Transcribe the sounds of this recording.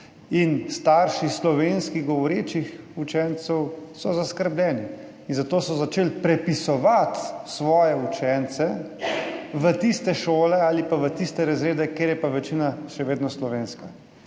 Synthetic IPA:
inst̪aɾʃislɔʋeːnskiɣɡɔʋɔɾeːt͡ʃixut͡ʃɛnt̪sɛwsɔzaskəɾblʲɛːni | inzat̪oːsɔzat͡ʃeːlpɾɛpisɔʋat̪sʋɔːjɛut͡ʃɛnt̪sɛ | ʋət̪ist̪ɛʃoːlɛaːlipaʋət̪ist̪ɛɾazɾeːd̪ɛkeːɾjɛpaʋɛt͡ʃinaʃɛʋeːd̪nɔslɔʋeːnska

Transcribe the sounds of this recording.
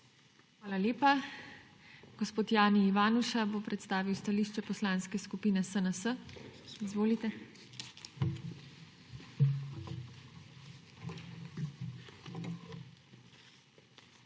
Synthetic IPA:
xʋaːlaleːpa | ɡ̥ospoːt̪jaːniːʋaːnuʃaboːpɾɛt̪st̪aːʋiwst̪aliːʃt͡ʃɛpɔslaːnskɛskupiːnɛsənəsəizʋoːlit̪ɛ

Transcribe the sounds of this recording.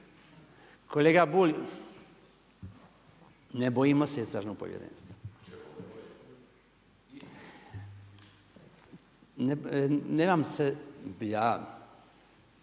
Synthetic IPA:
koleɡabuːlʲ | nebojimoseist̪ɾaːʒnopo̰jḛɾḛnst̪o | nneːmamsebjaː

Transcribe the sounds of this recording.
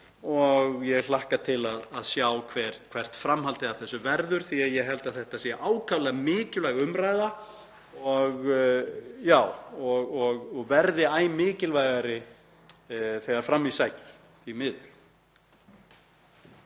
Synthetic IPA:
ɔɣjɛɣl̥ahkat̪ʰɪlaðaðsjaːwkʰvɛɾkʰv̥ɛr̥t̪fɾamɦalt̪ɪavθɛsːʏvɛɾðʏɾ̥θiaðjɛɦɛlt̪aðθɛht̪asɛaʔaːwkʰavlaɣmɪːcɪllaɣʏmɾaːjða | ɔɣ | jaːwɔɣɔɣɔɣvɛɾðɪaːjmɪːcɪlvajɣaɾɪ | θɛɣaɾ̥fɾamːisajk̪ | imɪðl

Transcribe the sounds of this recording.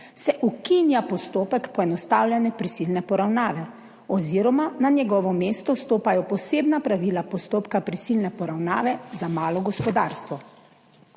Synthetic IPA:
sɛʔukinjapɔst̪oːpɛkpɔɛnɔst̪aːwlʲjɛnɛpɾisilnɛpɔɾawnaːʋɛ | ɔziːɾɔmananjɛɡɔːʋɔmeːst̪ɔst̪oːpajɔpɔseːbnapɾaʋiːlapɔst̪oːpkapɾisilnɛpɔɾawna̰ːʋɛzamaːlɔɡɔspɔd̪aːɾst̪ʋɔ

